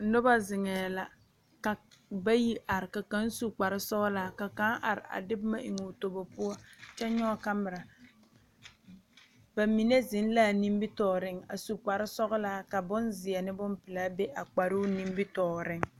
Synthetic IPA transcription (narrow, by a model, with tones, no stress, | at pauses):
nʊ˦ba˦zɪ˨ŋɛː˨la˨ | ka˨ba˦ji˦ʔa˨ɾɪ˨ka˨ka˦n˦su˦k͡pa˨ɾɪ˦sɔ˦ɡla˦ka˨ka˦ʔa˨ɾɪ̰˨a̰˨dɪ˦bma˦ʔɪ˨ŋu˨to˨bɔ˨pʊ˦ɔ˦t͡ʃɛ˦ɲɔ˦ka˦mɪ˨ɾa˨ | ba˨mi˨ne˦zɪ˨˦n˦laː˦˨ni˦m˦bɪ˦tɔː˨ɾɪ˦ŋa̰˨su˨k͡pa˨ɾɪ˦sɔ˦ɣʊ˦la˦ka˨bʊ˦nzɪ˨a˨nɪ˦bʊ˦mpɪ˨la˦be˦ʔa˨k͡pa˨ɾu˦ni˦m˦bɪ˦tɔː˨ɾɪ˦ŋ